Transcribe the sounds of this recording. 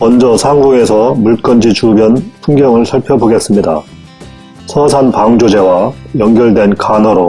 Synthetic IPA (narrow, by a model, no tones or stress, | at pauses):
mʌnd͡ʑʌsʰaŋɡoŋe̞sʰʌmuɭ̚k͈ʌnd͡ʑit͡ɕubjʌnpʰuŋɡjʌŋɯɭsʰaɭpʰjʌboɡe̞s͈ɯmɲida̰ | sʰʌsʰanpaŋd͡ʑod͡ʑe̞wajʌŋɡjʌɭdwe̞nkanʌɾo